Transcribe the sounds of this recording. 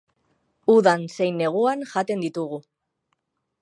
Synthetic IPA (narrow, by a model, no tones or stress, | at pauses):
uðanse̞jnːe̞ɣ̞uanʝat̪e̞nd̪it̪uɣu